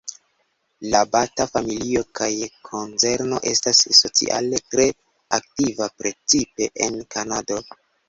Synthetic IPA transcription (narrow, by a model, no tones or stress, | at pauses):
labatafamilio̞kajkʰo̞nt͡se̞ɾno̞̰ʔe̞stasːo̞t͡sḭʔa̰le̞tɾe̞ | ak̚tivapɾe̞t͡sipe̞ʔenkanado̞